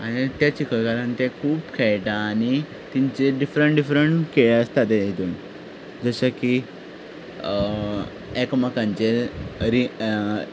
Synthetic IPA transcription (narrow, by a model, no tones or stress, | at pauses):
aɽ̃it̪jat͡ɕikʰəɭkaɾãnt̪ẽkʰuːpkʰɛɭʈaːñi | t̪iɲt͡ɕeɖifɾəɳʈɖifɾəɳʈkeɭəst̪at̪eit̪uːn | d͡zəɕaki | ekmakãɲt͡ɕeɾi